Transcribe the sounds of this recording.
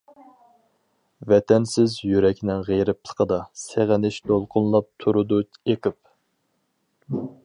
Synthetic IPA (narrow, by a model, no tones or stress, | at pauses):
vɛt̪ʰɛnsɪzjyɾɛkʲnɪŋʁejɾɪp̚lˠə̥qʰəd̪ɑseʁɪnɪʃd̪olˠqʰʊnlˠɑp̚t̪ʰuɾud̪uekʲɪp̚